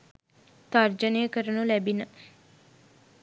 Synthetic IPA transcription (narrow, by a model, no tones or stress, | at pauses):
t̪ard͡ʒənejəkəɾənulæbinə